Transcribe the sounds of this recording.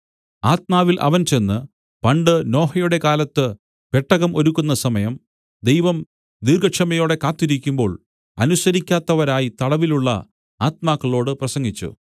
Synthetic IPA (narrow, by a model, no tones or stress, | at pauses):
aːt̪̚maːʋilʔɐ̰ʋɐnt͡ɕe̞nːɨ | pɐɳɖɨno̞ːɦɐjuɽe̞kaːlɐt̪ːɨ | pe̞ʈːɐɣɐmʔo̞ɾukːunːɐsɐmɐjɐm | d̪e̞jʋɐm | d̪irɡɐkʂɐmɐjo̞ːɽe̞kaːt̪ːiɾikʲːumbo̞ːɭ | ɐ̰nusɐɾikʲːaːt̪ːɐʋɐɾaːjit̪ɐɽɐʋiluɭːɐ̰ | aːt̪̚maːkːɐɭo̞ːɽɨprɐsɐŋɡit͡ɕːṵ